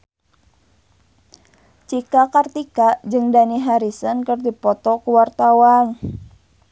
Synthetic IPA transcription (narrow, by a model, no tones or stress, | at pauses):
t͡ʃikakart̪ikad͡ʒɨŋdaniɦaɾisənkərdipɔt̪ɔkuwart̪awan